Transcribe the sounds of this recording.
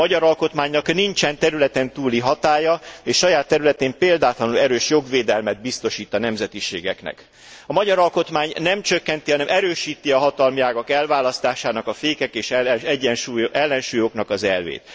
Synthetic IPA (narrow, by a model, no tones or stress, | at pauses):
mɒɟɒɾɒlko̞t̪maːɲnɒknint͡ʃɛnt̪ɛɾylɛt̪ɛnt̪uːliɦɒt̪aːjɒeːʃːɒjaːt̪ːɛɾylɛt̪eːmpeːld̪aːt̪lɒnulɛɾøːʃjo̞ɡveːd̪ɛlmɛd̪̚bist̪o̞ʃiːt̪ːɒnɛmzɛt̪iʃḛːɡɛ̰knɛ̰k | ɒmɒɟɒɾɒlko̞t̪maːɲnɛmt͡ʃøkːɛnt̪iɦɒnɛmʔɛɾøːʃiːt̪iɒɦɒt̪ɒlmiaːɡɒkɛlvaːlɒst̪aːʃaːnɒkɒfeːkɛkeːʃɛɛɟːɛnʃuːjʔɛlːɛnʃuːjoknɒkɒzɛlvḛːt̪